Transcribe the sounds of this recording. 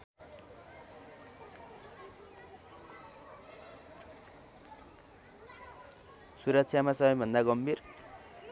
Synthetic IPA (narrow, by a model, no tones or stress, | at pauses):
suɾʌk̚t͡sʰjamasʌbʌjbʱʌnd̪aɡʌmbʱir